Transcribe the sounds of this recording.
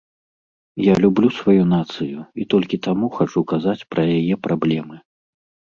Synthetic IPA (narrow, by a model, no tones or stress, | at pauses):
jalʲublʲusvajunat̪sɨjuit̪ɔlʲkʲit̪amuxat͡ʂukazat͡sʲpɾɐjajɛpɾʔablʲɛmɨ